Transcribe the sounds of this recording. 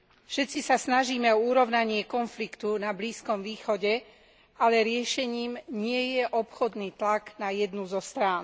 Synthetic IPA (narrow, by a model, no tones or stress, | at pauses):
fʃɛt̪t͡sisasnaʒiːmɛɔuɾɔʊnaɲɪɛkɔnflikt̪unabliːskɔmʋiːxɔɟɛ | alɛɾɪɛʃɛɲiːmɲɪɛjɛʔɔpxɔd̪niːt̪laɡnajɛd̪nuzɔst̪ɾaːn